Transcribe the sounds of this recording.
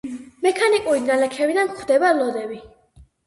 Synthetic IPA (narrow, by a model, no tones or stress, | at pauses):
mɛkʰanikʼuɾinalɛkʰɛvid̪anχʰwd̪ɛbalɔd̪ɛvi